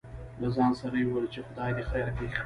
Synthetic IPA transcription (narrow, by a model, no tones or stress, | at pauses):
lazɑnsaɾajwəlt͡ʃexʊd̪ɑjd̪exajɾapex